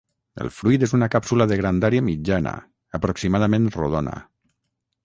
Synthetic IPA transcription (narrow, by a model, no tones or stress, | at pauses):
ə̰lˠfɾujt̪ezunakapsulaðəɣɾand̪aɾiamid͡ʒanə̰ | əpɾoksimaðamẽnroðonə̰